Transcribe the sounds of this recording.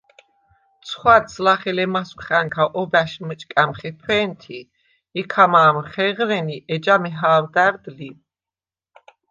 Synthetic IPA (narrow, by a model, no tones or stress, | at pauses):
t̪sʰχwat̪slaχɛlɛmaskχaŋkʰaʔɔbæʃmət͡ʃʼkʼamχɛpʰwɛːnt̪ʰiː | kʰamaːmχɛʁɾɛniʔɛd͡ʒamɛɦaːwd̪æɾd̪li